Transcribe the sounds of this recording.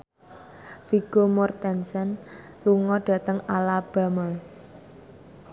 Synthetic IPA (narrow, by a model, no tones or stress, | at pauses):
fiɡ̥omɔrt̪ɛnsɛn | luŋɔɖ̥ä̤t̪əŋalab̥a̤məl